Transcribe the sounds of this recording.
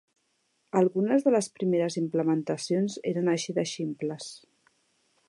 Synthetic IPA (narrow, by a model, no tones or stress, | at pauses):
əlˠɣunəzðələspɾimeɾəzimpləmənt̪əsionzeɾənəʃiðəʃimpləs